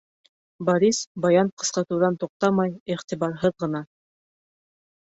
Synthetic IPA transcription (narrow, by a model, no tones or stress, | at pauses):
bɑɾʲisbɑjɑnqɤ̥̆sqɑt̪ɤ̆wðɑnt̪uq̚t̪ɑmɑjiχt̪iβɑɾɦɤðʁɤ̆nɑ